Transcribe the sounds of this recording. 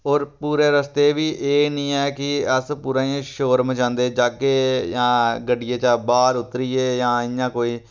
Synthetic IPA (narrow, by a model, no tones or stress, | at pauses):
ɔːɾpuːɾeːɾəst̪eːʋiːʔeːnĩːɛːkɪəspuːɾãːẽʃoːɾmət͡ʃãːnd̪eːd͡ʒaːkeːjãːɡəɖɪjeːt͡ʃaːbaːɾʊt̪ːɾiːeːjãːɪjãːkoːiː